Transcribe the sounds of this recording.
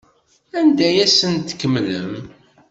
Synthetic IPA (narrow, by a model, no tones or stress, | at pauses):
ænd̪æjæsənt̪ə̥kːəmːləm